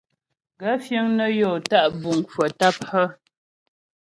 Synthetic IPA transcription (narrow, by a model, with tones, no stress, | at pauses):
ɡa˦fjə˦ŋnə˦jɔː˨ta˦ʔbu˨ŋ˨kə˨ta˦p̚hə˦